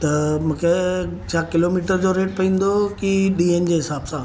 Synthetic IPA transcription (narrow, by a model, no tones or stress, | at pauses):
t̪ɐmũːkʰet͡ɕʰaːkɪloːmiːʈəɾd͡ʑoɾeːʈ̚pɐĩːn̆d̪okiɗiːend͡ʑeːɦɪsaːbsãː